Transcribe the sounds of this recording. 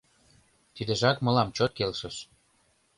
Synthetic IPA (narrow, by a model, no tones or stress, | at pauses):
t̪id̪ĕʒɑkmɤ̆lɑmt͡ɕot̪̚kelʃəʃ